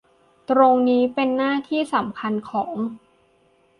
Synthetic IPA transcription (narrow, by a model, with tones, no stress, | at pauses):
t̪ɾo˧ŋniː˦˥pe˧nːaː˥˩t̪ʰiː˥˩sa˩˦mkʰa˧nkʰɔː˩˦ŋ